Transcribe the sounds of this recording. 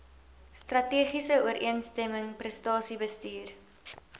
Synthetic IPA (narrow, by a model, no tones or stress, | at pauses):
strɐtiəχisəuəɾʔiənstɛməŋprɛstɑːsibəstiːr